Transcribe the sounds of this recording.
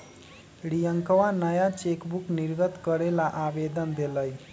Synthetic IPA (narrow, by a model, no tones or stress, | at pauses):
ɽijəŋkəʋanəjat͡ɕekbukniɾɡət̪kəɾelaʔaʋed̪ənd̪eləj